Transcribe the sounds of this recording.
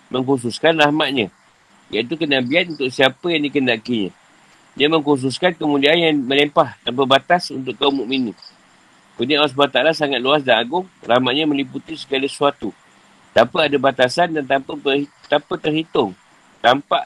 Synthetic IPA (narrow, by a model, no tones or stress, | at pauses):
məŋkus̬uskanrahmaʔ̪̚ɲã | jait̪̬ukənabiat̪̚unt̪ʊʔsiapəjaŋdikəndaʔkiɲã̰ | jamə̃ŋkus̬uskankəmũdianjanmə̃lɛmpaht̪ampəbat̪asunt̪̬ʊʔkaumuʔmini | kuniawas̬bat̪aalasaŋat̪̚luas̬danaɡʊŋrahmaʔ̪̚ɲãmə̃liput̪isə̥ɡalasuat̪u | t̪ampəadabat̪asandant̪ampəpə | t̪ampət̪ərhit̪ʊŋ | t̪ampa̰ʔ